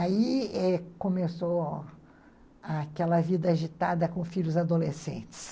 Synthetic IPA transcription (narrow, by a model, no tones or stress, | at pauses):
aiɛkõmeso | akɛlɐvid̪ɐaʒit̪ad̪ɐkõfiʎʊzad̪olesḛ̃t͡ʃɪ̥s